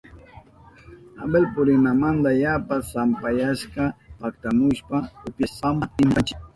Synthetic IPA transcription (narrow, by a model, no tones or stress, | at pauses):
a̰belpʊɾɪnamand̪ajapasampajaʃkapakt̪amʊʃpaʊpjaamaɪmpat͡ʃɪ̥